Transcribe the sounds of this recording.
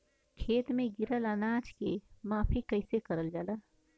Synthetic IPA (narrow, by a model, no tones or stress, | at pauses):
kʰeːt̪mẽɡɪɾələnaːd͡ʒkemaːpʰikəɪsekəɾəld͡ʒalaː